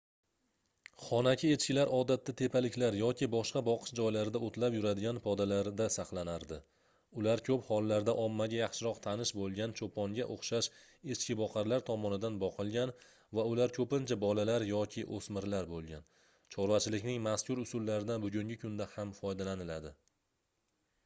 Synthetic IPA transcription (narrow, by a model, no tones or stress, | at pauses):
χɒnakʲʰɪe̞t͡ʃkʲɪlaɾɒd̪at̪ːat̪ʰepʰalɪkʲlaɾjɒkʲʰɪbɒʃqɑbɒqʰɨ̥ʃd͡ʒɒjlaɾɪd̪aot̪ʰlapjʊɾad̪ɪɡʲanpʰɒd̪alaɾd̪asɑqlˠanaɾd̪ɪ | ʊlaɾkʲʰɵphɒlˠːaɾd̪aʔɒmːaɡʲajɑχʃɪɾɒqt̪ʰanɪʃbolˠɡʲant͡ʃʰopʰɒŋɡʲaʔoχʃaʃ | e̞t͡ʃkʲɪbɒqʰɑɾlaɾt̪ʰɒmɒnɪd̪anbɒqʰɨlˠɡʲan | vaʊlaɾkʲʰɵpɪnt͡ʃʰabɒlalaɾjɒkʲʰɪʔosmɪɾlaɾbolˠɡʲan | t͡ʃʰɒɾvat͡ʃʰɪlɪkʲnɪŋmaskʰʲʊɾʊsʊlːaɾɪd̪anbʊɡʲʊŋʲɪkʰʊnd̪ahamfɒjd̪alanɪlad̪ɪ